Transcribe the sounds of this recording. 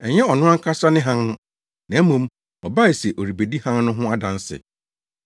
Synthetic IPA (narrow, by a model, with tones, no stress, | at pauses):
ɛ˨ɲɛ˦ɔ˨nʊ̃˦a˦ŋ̩˦kʰa˦sa˦nɪ̃˦ɦã˦ŋ̃˦ | nã˨˦mũ˦m | ɔ˨ba˦i˨sɛ˨ʔo˨ɾi˨be˨di˦hã˦ŋnʊ̃˦ɦʊ̃˦a˦dã˨n˦sɪ̰˨